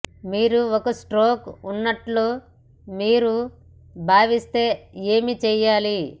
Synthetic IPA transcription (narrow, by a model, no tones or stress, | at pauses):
miːɾuokɐsʈɾoːkunːɐʈloː | miːɾu | bʱaːʋist̪e̞ːe̞ːmit͡ʃɛːjaːli